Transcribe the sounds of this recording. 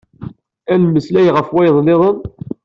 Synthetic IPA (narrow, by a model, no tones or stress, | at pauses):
ænmːəslæjʁəfwæjðˤlɪðˤən